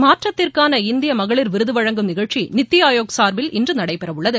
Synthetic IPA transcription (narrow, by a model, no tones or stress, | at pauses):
maːʈrɐt̪ːɪrkaːnɐɪnd̪ɪjɐmɐɣɐɭɪɾʋɪɾɯðɯʋɐɻɐŋɡɯmnɪɣɐɻt͡ʃinɪt̪ːɪjaːjoːksaːɾbɪlɪndrɯnɐɽɐɪpɛɾɐʋɯɭːɐðɯ